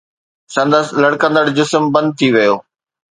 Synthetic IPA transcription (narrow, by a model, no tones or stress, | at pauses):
sɐ̃nd̪əslɐɽkə̃nd̪əɽd͡ʑɪsmbɐ̃nd̪̚t̪ʰiʋɐjoː